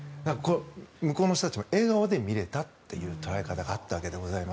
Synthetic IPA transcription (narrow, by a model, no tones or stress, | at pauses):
d̪akkoomɯ̟ko̞ːno̞ɕ̬t̪ot̪at͡ɕimoe̞ːɡaod̪e̞mʲiɾe̞t̪at̪ːe̞̰jɯːt̪o̞ɾaikat̪aɡaːt̪ːaβake̞d̪eɡo̞zaima